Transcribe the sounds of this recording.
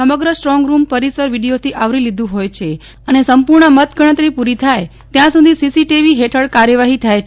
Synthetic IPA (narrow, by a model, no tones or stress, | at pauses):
əməɡɾəsʈɾɔŋɡɾumpəɾisəɾʋiɽijot̪ʰiʔaʋɾilid̪ũɦojt͡ʃʰe | ənesəmpuɾɳəmət̪ɡʱəɽ̃ət̪ɾipuɾit̪ʰaj | t̪jãsud̪ʱisisiʈiʋiɦeʈʰəɽkaɾjəʋaɦit̪ʰajt͡ʃ